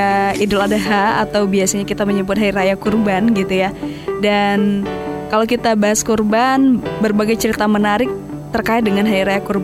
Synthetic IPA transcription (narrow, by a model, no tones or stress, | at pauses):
aidʊladaɦaːt̪awbiasaɲakit̪aməɲəmbʊt̪̚ɦajiɾajakurbanɡit̪ujadankalakit̪abaɦaskurbanbərbaɡajt͡ʃəɾit̪amənaɾɪk̚ | t̪ərkaɪt̪̚dəŋanɦajɾajakurb